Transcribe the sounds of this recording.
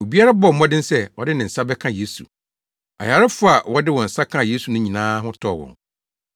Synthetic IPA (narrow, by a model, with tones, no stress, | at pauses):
o˨bi˦a˦ɾa˦bɔ˦˨m̩˦mɔ̃˦dɪ̃˦n̩˦sɛ˦˨wɔ˨dɪ˦nɪ̃˨n̩˨sa˦bɛ˦kʰã˦je˦sṵ˨ | a̰˨ja˨ɾɪ˦fʊ˦a˨wɔ˦dɪ˦wɔ̃˨n̩˨sa˦kʰã˦˨je˦su˨nʊ̃˦ɲĩ˨nãː˦ɦʊ̃˦tʰɔ˦˨wɔ̰̃˨ŋ